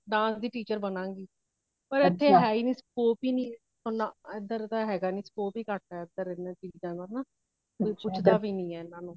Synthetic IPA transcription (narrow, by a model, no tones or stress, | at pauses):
ɖãːsd̪iːʈiːt͡ʃəɾbənãːŋɡiː | pəɾet̪ʰːeːɦɛːiːniːspoːpiːnĩː | onːãːɪd̪əɾt̪aːɦɛːɡaːnĩːspoːpiːkəʈ̚ɛːɪd̪əɾɪnat͡ʃiːd͡ʒãːnɡ̪aːnaː | pʊt͡ʃʰd̪aːʋiːnĩːɛːnãːnũː